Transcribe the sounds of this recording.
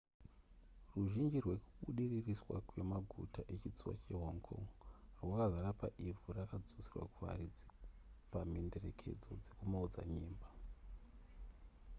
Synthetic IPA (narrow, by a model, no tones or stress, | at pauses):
ruʒind͡ʒirwe̞ku̥ɓuɗiririswa̰kwe̞maɡʱṵtaʔe̞t͡ʃit͡suwa̰t͡ʃe̞ɦoŋkʰo̞̰ŋrwakazaɾapaʔivurakad͡zusirwa̰kuʋa̰rid͡zipamende̞re̞̰kʰe̞̰d͡zo̞̰d͡zekumaud͡za̰ɲiːmba